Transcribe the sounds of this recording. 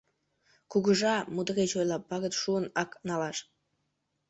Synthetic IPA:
kuɣəʒɑmud̪əɣet͡ɕojlɑpːɑɣət̪ʃuənɑknɑlɑʃ

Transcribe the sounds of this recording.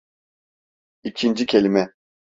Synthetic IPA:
icʰind͡ʒicʰelʲimɛ

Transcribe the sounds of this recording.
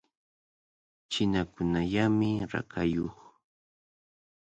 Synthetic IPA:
t͡ʃɪnakʊnaʎamɪɾa̰kʰajoχ

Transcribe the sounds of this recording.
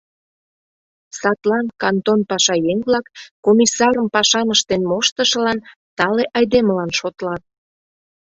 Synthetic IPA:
sɑt̪lɑnkɑnt̪onpɑʃɑjeŋvlɑkːomisɑɾəmpɑʃɑməʃt̪enmoʃt̪əʃə̆lɑn | t̪ɑleʔɑjd̪eməlɑnʃot̪lɑt̪̚

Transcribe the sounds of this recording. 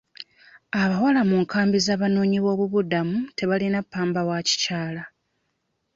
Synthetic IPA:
aβawalamuːŋkʰaːmbizaːβano̞ːɲiβo̞ːβuβudamute̞βalinapːaːmbawaci̥caːla

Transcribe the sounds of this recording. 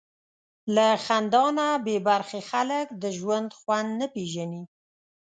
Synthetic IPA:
laxand̪ɑnabebaɾxexaləkd̪əʒwand̪xwand̪nəpeʒani

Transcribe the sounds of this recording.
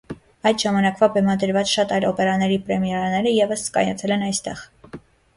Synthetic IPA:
ɑjd̪ʒɑmɑnɑkvɑbɛmɑd̪əɾvɑt͡sʃɑt̪ɑjlɔpɛɾɑnɛɾipɾɛmjɛɾɑnɛɾəjɛvəskɑ̰jɑt͡sʰɛlɛnɑjst̪ɛʁ

